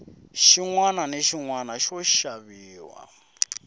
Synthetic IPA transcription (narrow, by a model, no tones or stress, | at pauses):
ʃiŋwananeʃiŋwanaʃɔʃaβiːwa̰